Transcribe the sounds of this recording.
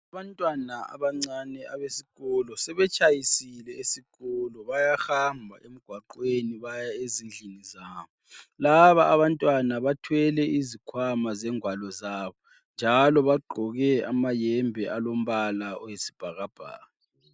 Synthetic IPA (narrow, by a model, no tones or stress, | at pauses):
aβantʼwanaa̰βaŋ͡ǀanɛaβesiɣɔlɔsɛβɛt͡ʃʼajisilɛesiɣɔlɔβajahambʱa̰ʔem̩ɡ̥ʱwaǃweniβajaezind͡ɮʱinizaːβɔlaβaːβantʼwanaβatʰwɛlɛizikʰwamazɛŋwalɔzaːβɔ | nd͡ʒʱalɔβaɡ͡ǃʱɔɣɛamajɛmbʱɛʔalom̩βalaɔjesi̥b̥ʱaɣab̥ʱa̰ːɣa